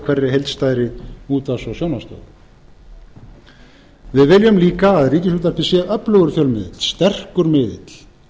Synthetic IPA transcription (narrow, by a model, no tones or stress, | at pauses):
kʰvɛrːɪɦejlt̪st̪aːjɾɪuːt̪asɔsjownast̪ɔ̰ː | vɪðvɪljʏmliːkaːðɾiːcɪs̬uːt̪ḁpɪsjɛɣʔœplœɣʏɾfjœlmɪðɪ̰t̪l̥st̪ɛr̥kʏɾmɪðɪ̰t̪l̥